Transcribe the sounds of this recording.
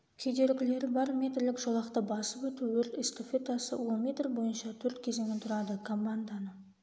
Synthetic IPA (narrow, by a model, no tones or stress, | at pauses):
kʲʰejd̪e̞ɾɪɡʲɪle̞ɾɪbɑɾmʲe̞t̪rlɪkʒolˠɑqt̪əbɑsəpwɵt̪uwɵɾt̪ɪst̪ofʲet̪ʰɑsə̰wonmʲet̪rbo̞jənʃɑt̪ʰɵɾt̪kʲʰe̞ze̞ŋɪt̪ʰʊɾɑd̪əkʰo̞mːand̪anə